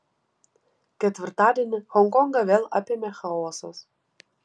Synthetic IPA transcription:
kʲɛt̪ʲʋʲɪɾt̪ɑːd̪ʲiɛnʲɪxɔŋkɔŋɡɐʋʲeːlˠɐpʲɪmʲexɐoːsos

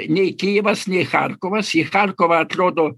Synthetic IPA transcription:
nʲɛjkʲɪjɪʋɐsnʲɛxa̰rkɔʋɐsixarkɔʋɐːt̪ɾɔd̪ɔ

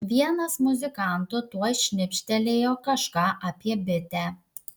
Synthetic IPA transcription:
ʋʲiɛnɐsmʊzʲɪkɑˑnt̪ʊt̪uɔjʃʲnʲɪpʲʃʲt̪ʲɛlʲeːjoːkɐʃkɑːʔɐpʲiɛbʲɪt̪ʲæ

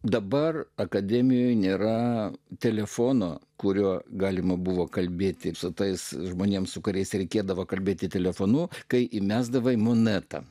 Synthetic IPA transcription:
d̪ɐbɐrɐkɐd̪ʲɛːmʲɪjoːjnʲeːɾɐt̪ʲɛlʲɛfoːnoːkʊɾʲuɔɡɑːlʲɪmɐbuʋoːkɐlʲbʲeːt̪ʲɪsʊt̪ɐɪsʒmoːnʲeːmsʊkʊɾʲɛɪsɾʲɛɪkʲeːd̪ɐʋoːkɐlʲbʲeːt̪ʲɪt̪ʲɛlʲɛfoːnuːkɐɪʔɪmʲæːzd̪ɐʋɐɪmoːnʲæt̪ɐ̰

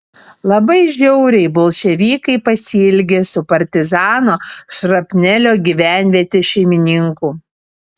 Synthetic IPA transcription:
lˠɐbɐɪʒʲɛʊɾʲɛɪbɔlˠʃʲɛʋʲiːkɐɪpɐsʲɪlʲɡʲesʊpɐɾʲt̪ʲɪzɑːnoːʃɾɐpʲnʲɛlʲoːɡʲiʋʲæˑnʲʋʲiɛt̪ʲeʃʲɛɪmʲɪnʲɪŋkuː

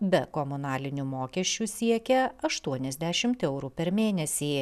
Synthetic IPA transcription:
bʲɛkɔmʊnɑːlʲɪnʲumoːkʲɛʃʲt͡ʃʲusʲiɛkʲɛɐʃt̪uɔnʲɛzʲd̪ʲɛæʃʲɪmt̪ɛʊɾuːpʲɛɾmʲeːnʲɛsʲiː

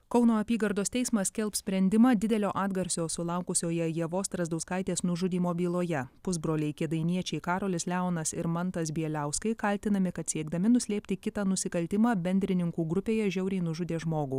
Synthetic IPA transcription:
kɒʊnoːɐpʲiːɡɐɾd̪oːst̪ʲɛɪsmɐssʲkʲɛlˠpsʲpʲɾʲɛnʲd̪ʲɪmɑːd̪ʲɪd̪ʲɛlʲoːʔɑːd̪ɡɐɾʲsʲoːsʊlˠɐʊkʊsʲoːjɛjɛʋoːst̪ɾɐzd̪ɐʊskɐɪt̪ʲeːsnʊʒʊd̪ʲiːmoːbʲiːlˠoːjɛpʊzbɾoːlʲɛɪkʲɪd̪ɐɪnʲiɛt͡ʃʲɛɪkɑːɾoːlʲɪslʲæʊnɐsɪɾmɐnt̪ɐsbʲiɛlʲæˑʊskɐɪkɐlʲt̪ʲɪnɐmʲɪkɐt̪sʲiɛɡd̪ɐmʲɪnʊsʲlʲeːpʲt̪ʲɪkʲɪt̪ɐːnʊsʲɪkɐlʲt̪ʲɪmɑːbʲɛnʲd̪ʲɾʲɪnʲɪŋkuːɡɾʊpʲeːjɛʒʲɛʊɾʲɛɪnʊʒʊd̪ʲeːʒmoːɡuː

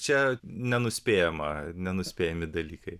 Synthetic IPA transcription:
t͡ʃʲɛnʲɛnʊsʲpʲeːjɛmɐ̰nʲɛnʊsʲpʲeːjɛmʲɪd̪ɐlʲiːkɐɪ

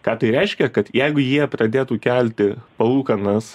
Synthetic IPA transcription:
kɑːt̪ɐɪɾʲɛɪʃʲkʲɛkɐt̪jɛɪɡʊjiɛprɐd̪ʲeːt̪uːkʲælʲt̪ʲɪpɐlˠuːkɐnɐs

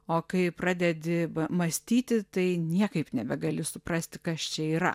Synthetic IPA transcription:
oːkɐɪprɑːd̪ʲɛd̪ʲɪbɐmɐsʲt̪ʲiːt̪ʲɪt̪ɐɪnʲiɛkɐɪpnʲɛbʲɛɡɐlʲɪsʊpɾɐsʲt̪ʲɪ̥kɐst͡ʃʲɛiːɾɐ̰

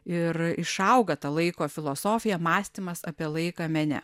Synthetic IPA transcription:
ɪɾɪʃɐʊɡɐt̪ɐlˠɐɪkoːfʲɪlˠoːsoːfʲɪjɛmɑːsʲt̪ʲimɐsɐpʲiɛlˠɐɪkɑːmʲɛnʲɛ̰

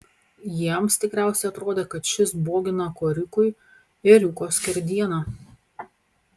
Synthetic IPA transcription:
jiɛmst̪ʲɪkɾʲæˑʊsʲɛɪɐt̪ɾoːd̪ʲeːkɐt̪ʃʲɪsboːɡʲɪnɐkoːɾʲɪkʊɪ | ɪɾʲuːkoːskʲɛɾʲd̪ʲiɛnɑː

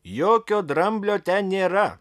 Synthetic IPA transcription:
joːkʲoːd̪ɾɐmʲbʲlʲoːt̪ʲɛnʲeːɾɐ

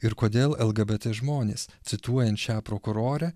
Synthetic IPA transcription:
ɪɾkoːd̪ʲeːlˠɛlˠɡɐbʲɛt̪ʲeːʒmoːnʲeːst̪sʲɪt̪uɔjɛnt̪ʃʲæːpɾoːkʊɾoːɾʲɛ

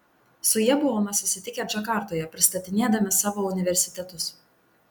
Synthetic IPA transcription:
sʊjiɛbʊʋoːmɐsʊsʲɪt̪ʲɪkʲɛd͡ʒɐkɑˑɾt̪oːjɛpʲɾʲɪst̪ɐt̪ʲɪnʲeːd̪ɐmʲɪsɑːʋoːʊnʲɪʋʲɛɾʲsʲɪ̥t̪ʲɛt̪ʊs

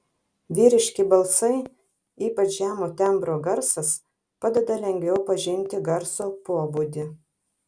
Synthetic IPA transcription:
ʋʲiːɾʲɪʃʲkʲɪbɐlˠsɐɪ | iːpɐt͡ʃʒʲæːmoːt̪ʲɛmbɾoːɡɐɾsɐs | pɑd̪ʲɛd̪ɐlʲɛŋʲɡʲʋʲɛʊpɐʒʲɪnʲˑt̪ʲɪɡɐɾsoːpuɔbuːd̪ʲɪ

